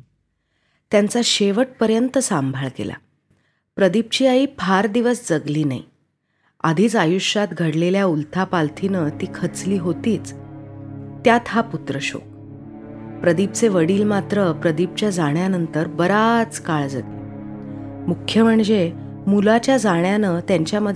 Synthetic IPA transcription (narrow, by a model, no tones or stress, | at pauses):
t̪jant͡saɕeʋəʈ̚pəɾjənt̪əsambʱaɭkḛla̰ | pɾəd̪ip̚t͡ɕiːaiːpʰaɾd̪iʋəsd͡zəɡliːna̰ḭ | a̰d̪ʱiːt͡sajuɕat̪ɡʱəɽleljault̪ʰapalt̪ʰiːnət̪iːkʰət͡sliːɦot̪iːt͡s | t̪ːjat̪ɦaput̪ɾəɕo̰ | pɾəd̪ip̚t͡seʋəɽiːlmat̪ɾəpɾəd̪ip̚t͡ɕjad͡zaɳjanənt̪əɾbəɾat͡skaɭd͡zat̪i | mukʰːjəməɳd͡ze | mulat͡ɕjad͡zaɳjanət̪jaɲt͡ɕjaməd̪ʱ